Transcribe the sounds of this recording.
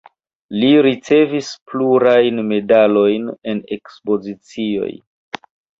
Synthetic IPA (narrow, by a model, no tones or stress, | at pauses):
liɾit͡se̞vispluɾajnme̞dalo̞jne̞ne̞kspo̞zit͡sio̞̰j